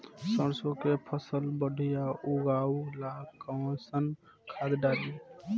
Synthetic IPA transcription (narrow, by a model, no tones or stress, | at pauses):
səɾsõkepʰəsəlbəɖʱijaʔuɡaːulakə̃sən | kʰaːd̪ɖaːli